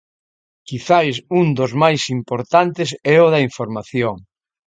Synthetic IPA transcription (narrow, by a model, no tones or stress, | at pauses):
kiθajsund̪ʊzmajsimpoɾt̪ant̪ɪsɛʊðɐiɱfoɾmaθjoŋ